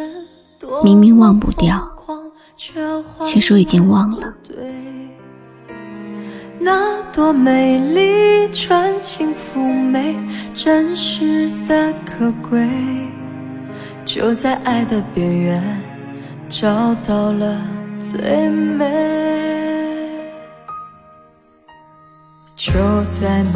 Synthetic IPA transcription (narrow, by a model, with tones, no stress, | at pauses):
mi˧˥ŋmi˧˥ŋwɑ˥˧ŋpṵ˥˧t̪jɑ˥˩ʊʊwɑ˥ŋ | t͡ɕʰɛ˥˧xwt͡ɕʰɥɛ˥˩ʂɔ˥i˨˩t͡ɕi˥ŋwɑ˥˩ŋlə˨˩t̪we˥˧ | na˧t̪wɔ˧me˨˧˩ɪli˥˧˩ʈ͡ʂʰwa˧˥nt͡ɕʰi˧˥ŋfu˧˩me˧˥ɪʈ͡ʂə˥nʂɻ̩˧˥d̪ə˧kʰɤ˨˩kwe˥ɪ | t͡ɕjo̰˧˩ʊt͡sa˥˧ɪʔa˥˩ɪd̪ə˨pjɛ˨˩nɥɛ˧˥n | ʈ͡ʂɑ˥˧ʊt̪ɑ˥˧˩ʊlə˩t͡swe˥˩ɪme˧ | t͡ɕjo˧˥ʊt͡sa˥˧ɪ